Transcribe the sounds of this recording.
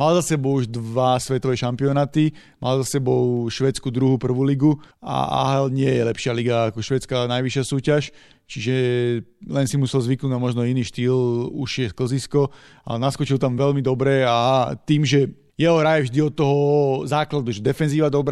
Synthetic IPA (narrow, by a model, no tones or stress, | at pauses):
malzasɛbɔʊuʒd̪ʋasʋɛt̪ɔʋɛːʃampiɔnaːt̪i | mʔa̰lzasɛbɔʊʃʋɛt͡skuːd̪ɾuɦupr̩ʋuːliɡua̰a̰ɦɛlɲɪɛjɛlɛpʃɪaliɡaːkɔʃʋɛːt͡skanajʋiʃɪasuːcaʃ | t͡ʃiʒɛ | lɛnsimusɛlzʋiknuːd̪namɔʒnɔiniːʃt̪iːluʃɪjɛskl̩ziskɔ | a̰naskɔt͡ʃilt̪amʋɛlmid̪ɔbɾɛat̪iːmʒɛ | jɛɦɔɾajɛvʒd̪iɔt̪ːɔɦɔzaːklad̪uʒɛd̪ɛfɛnziːʋad̪ɔbɾ